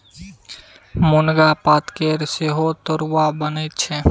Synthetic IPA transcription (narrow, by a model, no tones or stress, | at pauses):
mʊnɡapat̪keɾseɦot̪əɾwabənet̪t͡ʃʰɛ